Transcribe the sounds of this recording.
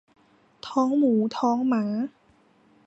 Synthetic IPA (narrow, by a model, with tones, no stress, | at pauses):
t̪ʰɔː˦˥ŋmuː˩˦t̪ʰɔː˦˥ŋmaː˩˦